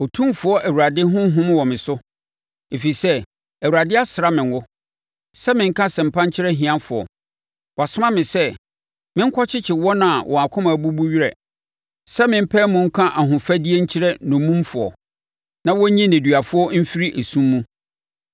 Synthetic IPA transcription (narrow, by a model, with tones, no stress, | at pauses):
ɔ˨tʰũ˦mfʊ˨ɔ˦ʔæ˨wu˨ɾa˨dɪ˦ɦʊ̃˦ɦʊ̃˦m˦wɔ˨mɪ̃˨sʊ˦ | e˨fi˨i˨sɛ˦ | æ˨wu˨ɾa˨dɪ˦a˦sɪ˨ɾa˨˦mɪ̃˨nwʊ˦ | sɛ˦mɪ̃˨ŋ̩˦kʰã˦sɛ̃˨m̩˨pʰã˦ɲ̩˦t͡ɕʰɪ˦ɾɛ˦ɦĩ˨ã˦nfʊ˨ɔ̰˨ | wʔɔ˨a˨sʊ˦mã˦mɪ̃˨sɛ˦ | mɪ̃˦ŋ̩˦kʰɔ˦t͡ɕʰɪ˦t͡ɕʰɪ˨wɔ˦nã˨wʔɔ̃˨a˨kʰʊ̃˦mã˨bu˦bu˦ɥi˦ɾɛ̰˨ | sɛ˦mɪ̃˨m̩˦pʰɛː˦mʊ̃˨ŋ̩˦kʰã˦ʔa˨ɦʊ̃˨fæ˦di˦e˦ɲ̩˦t͡ɕʰɪ˦ɾɛ˦nʊ̃˨˦mũ˦m˦fʊ˨ɔ̰˨ | nã˦wɔ˦ɲĩ˦næ̃˨dɥa˨fʊ˦ɔ˦m̩˦fi˦ɾi˦ʔe˨sũ˦mːũ˦